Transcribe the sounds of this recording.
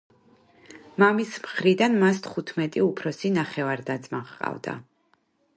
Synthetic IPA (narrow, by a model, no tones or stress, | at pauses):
mamismχɾid̪anmast̪ʰχut̪ʰmɛt̪ʼiupʰɾɔsinaχɛvaɾd̪ad̪zmaχqʼa̰vd̪a̰